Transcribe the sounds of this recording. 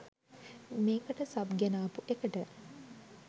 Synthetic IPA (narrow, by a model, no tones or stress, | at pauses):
meːkəʈəsɐbɡenaːpuʔekəʈə